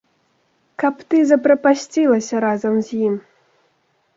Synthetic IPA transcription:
kɐpt̪ɨzɐpɾɐpasʲt͡sʲilˠɐsʲɐɾazɐmzʲjim

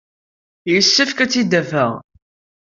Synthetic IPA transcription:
jisːəfkæt͡sːid̪ævəʁ

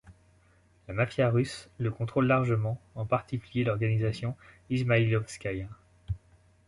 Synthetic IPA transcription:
lamafjaʁysləkɔ̃t̪χolːaʁʒəmɑ̃ɑ̃paʁt̪ikʲyljelɔʁɡanizasjɔ̃ | izmailɔfskʲaj

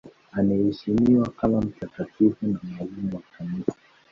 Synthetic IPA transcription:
anɛhiʃimiwakamam̩takatʰifunamalimuwafamisa

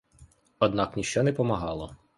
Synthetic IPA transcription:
ɔd̪nɑknʲiʃt͡ʃɔnɛpɔmɐɦɑlˠɔ

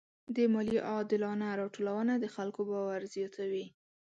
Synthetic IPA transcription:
d̪əmɑliʔɑd̪ɪlɑnaɾɑʈolawənad̪əxalkobɑwaɾzjɑt̪ʰawi

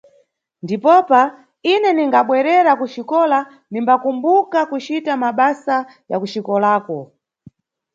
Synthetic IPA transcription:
ndipɔpa | inɛniŋɡaɓwɛɾɛɾakuʃikɔla | nimbakumbukakut͡ʃitamaɓasa | ja̰kuʃikɔlaːkɔ

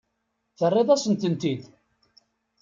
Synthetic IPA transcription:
θərˤːeðˤæsənt̪ənt̪id̪

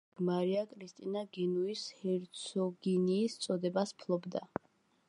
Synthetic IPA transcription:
maɾiakʼɾist̪ʼinaɡinuishɛɾt̪sʰɔɡiniːst̪sʼɔd̪ɛbaspʰlˠɔbd̪a

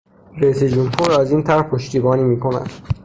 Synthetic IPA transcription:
ɾæiːsed͡ʒumhuːɾæziːnt̪ʰæɾhpʰoʃt̪iːbɒːniːmiːkʰonæ̰d̪̥

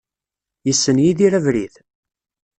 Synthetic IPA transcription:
jəsːənjiðiɾævɾiθ

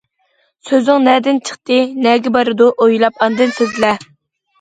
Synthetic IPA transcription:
søzɪŋnɛd̪ɪnt͡ʃʰə̥χt̪ɨnɛɡʲɛbɑɾɨd̪uʔojlˠɑpɑnd̪ɨnsezlɛ

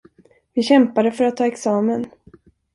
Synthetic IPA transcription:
vɪɕɛmpad̪əfœɾat̪ʰːɑːɛksɑːmən

